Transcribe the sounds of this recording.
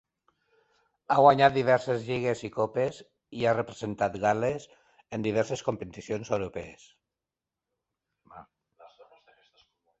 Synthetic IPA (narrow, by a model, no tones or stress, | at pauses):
aɣwaɲat̪̚d̪iβ̞ɛɾsezʎiɣ̞ezikopes | iarepɾezent̪at̪ɣales | end̪iβ̞ɛɾseskompet̪isjonsewɾopees